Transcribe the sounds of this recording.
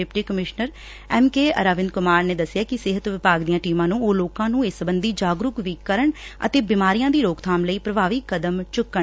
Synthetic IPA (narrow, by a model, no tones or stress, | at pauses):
ɪpʈiːkəmɪʃnəɾ | ɛːmkeːə̰ɾaːʋɪnd̪kʊmaːɾneːd̪əsːɪjaːkɪsɪɦət̪ʋɪpaːɡd̪ijãːʈiːmãːnũːoːloːkãːnũːesəbənd̪iːd͡ʒaːɡɾʊkʋiːkːəɾəɳə̰t̪eːbɪmaːɾijãːd̪iːɾoːkt̪ʰaːmləiːpɾəbaːʋiːkəd̪əmt͡ʃʊkːəɳ